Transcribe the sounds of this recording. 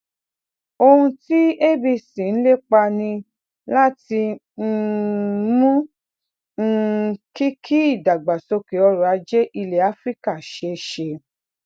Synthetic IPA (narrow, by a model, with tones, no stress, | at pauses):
o˧hũ˧ti˦e˦bi˧sĩ˨ñ̩˦le˦k͡pa˧nĩ˧ | la˦ti˧ | n̩˦ | mũ˦ | n̩˦ki˦kʰi˦i˦˨da˨ɡ͡ba˨so˧ke˨ɔ˧ɾu˨a˨˧d͡ʒe˦ʔi˧le˨a˨˦fɾi˦ka˦˨ʃe˧ʃe˧